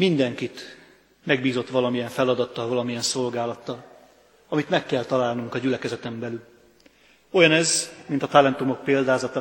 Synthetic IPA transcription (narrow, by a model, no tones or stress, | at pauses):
mind̪ɛŋkit̪ | mɛɡbiːzo̞t̪ʋɒlɒmijɛɱfɛlɒd̪ɒt̪ːɒlvɒlɒmijɛnso̞lɡaːlɒt̪ːɒl | ɒmit̪mɛkːɛlt̪ɒlaːlnuŋkɒɟylɛkɛzɛt̪ɛmbɛlyl | o̞jɒnɛzmint̪ɒt̪alɛnt̪umo̞k̚peːld̪aːzɒt̪ɒ